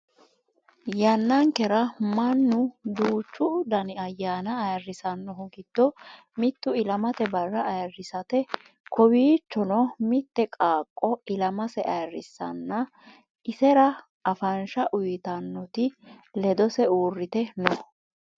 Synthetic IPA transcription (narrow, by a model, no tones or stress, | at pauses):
jɐnːɐŋkɛɾɐmɐnːʊd̪uːt͡ʃːʊd̪ɐnɪɐjːaːnɐːjɐrːɪsɐnːɔɦɔɡɪd̪̥ːɔ | mɪt̪ːʊɪlɐmɐt̪ɛbɐrːɐʔɐjɐrːɪsɐt̪ɛ | kʰɔwiːt͡ʃːɔnɔmɪt̪ːɛkʼaːkʼːɔɪlɐmɐsɛʔɐjɐrːɪsːɐ̰nːɐ | ɪsɛɾɐ | ɐfɐnʃɐʔʊjt̪ɐnːɔt̪ɪlɛd̪ɔsɛuːrːɪt̪ɛnɔ